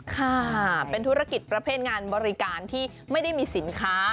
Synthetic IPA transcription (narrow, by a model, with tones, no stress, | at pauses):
kʰa˥˩pe˧nt̪ʰu˦˥ɾa˧ki˨˩t̪̚pɾa˧pʰeː˥˩t̪̚ŋaː˧nbɔː˧ɾi˦˥kaː˧nt̪ʰiː˥˩ | ma˥˩jda˥˩jmiː˧si˩˦nkʰaː˦˥